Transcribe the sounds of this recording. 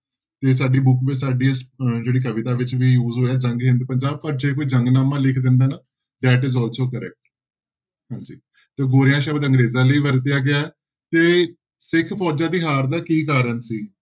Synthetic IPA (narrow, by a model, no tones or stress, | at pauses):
t̪eːs̬aːɖiːbʊkʋɪt͡ʃsaːɖiːəsd͡ʒeːɽiːk̬əʋɪt̪aːʋɪt͡ʃʋiːjuːzɦoːaːd͡ʒə̃ŋɡɦɪ̃nd̪̚pəɲd͡ʒaːb̚pəɾd͡ʒeːkoːiːd͡ʒəŋɡnaːmãːlɪkʰd̪ɪ̃nd̪aːnaː | d̪ɛːʈɪzɔːlsoːkəɾɛ̰k̚ʈ | ɦãːɲd͡ʒḭː | t̪eːɡoːɾɪjãːʃəbəd̪ə̃ŋɡɾeːzãːləiːʋəɾt̪ɪjaːɡɪaːɛ | t̪eː | sɪkʰpʰɔːd͡ʒãːd̪iːɦaːɾd̪aːkiːk̬aːɾənsiː